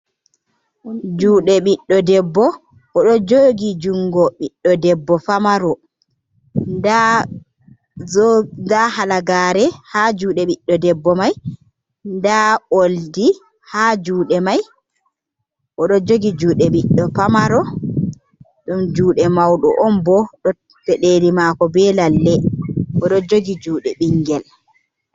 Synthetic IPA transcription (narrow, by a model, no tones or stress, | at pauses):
d͡ʒuːɗɛɓiɗːɔdɛbːɔ | ʔɔɗɔd͡ʒoɡid͡ʒuŋɡɔɓiɗːɔdɛbːɔfamaɾɔ | nda | ndahalaɡaːɾɛhad͡ʒuːɗɛɓiɗːɔdɛbːɔmaj | ndaʔoldi | had͡ʒuːɗɛmaj | ʔɔɗɔd͡ʒoɡid͡ʒuːɗɛɓiɗːɔpamaɾɔ | ɗumd͡ʒuːɗɛmawɗɔ̰ʔɔmbɔɗɔ | tɛɗeɾimakɔbɛlalːɛʔɔɗɔd͡ʒoɡid͡ʒuːɗɛɓiŋɡɛl